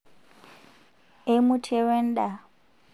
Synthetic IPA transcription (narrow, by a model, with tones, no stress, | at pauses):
e˦mu˦tʰɛ˦we˦n̩˦ɗa˨